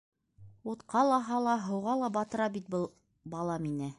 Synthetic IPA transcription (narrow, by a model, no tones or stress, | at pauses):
ut̪qʰɑlˠɑɦɑlˠɑɦɤ̆wʁɑlˠɑbɑt̪ɤ̆ɾɑbit̪̚bɤlˠ | bɑlˠɑminɘ